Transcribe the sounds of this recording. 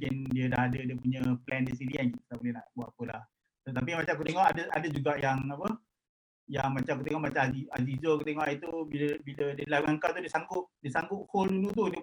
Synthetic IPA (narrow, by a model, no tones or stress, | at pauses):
kɪndiədaɦadədiəpuɲəplɛndisiɾianit̪abolɛna̰ʔbuaʔapəla̰h | t̪ət̪ap̬imat͡ʃamakut̪eŋɔʔadəʔa̰dəd͡ʒuɡaʔjaŋapə | ja̰ŋmat͡ʃamakut̪eŋɔʔmat͡ʃamazia̰zizokut̪eŋɔʔait̪ubiləbilədəlaɡaŋkat̪udiəsaŋɡʊʔdiəsaŋɡʊʔ̚holdunut̪̬udiə